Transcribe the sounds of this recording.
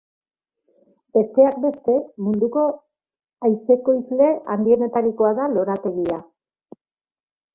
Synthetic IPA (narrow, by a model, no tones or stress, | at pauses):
be̞st̪e̞ak̚be̞st̪e̞mund̪uko̞ | ajse̞ko̞izle̞and̪ie̞ne̞t̪aɾiko̞aðalo̞ɾat̪e̞ɣia